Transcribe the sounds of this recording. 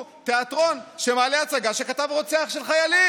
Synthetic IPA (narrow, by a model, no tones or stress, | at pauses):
t̪e̞at̪ʁo̞nʃemaːleat͡saɡaʃe̞kat̪avʁo̞t͡seaχʃe̞lχajali